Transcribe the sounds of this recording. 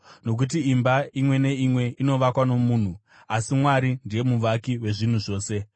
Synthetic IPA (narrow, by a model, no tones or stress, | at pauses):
no̞k̬ut̬iimbaimwe̞ne̞imwe̞ʔino̞ʋakwano̞muːn̤u | asimwaɾindije̞muʋakiwe̞ʐin̤uʐo̞ːse̞